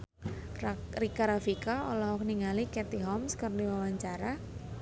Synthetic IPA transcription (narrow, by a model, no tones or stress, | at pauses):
rikaɾafikaɔlɔɦɔkniŋalikɛt̪iɦɔmskərdiwawaɲt͡ʃaɾa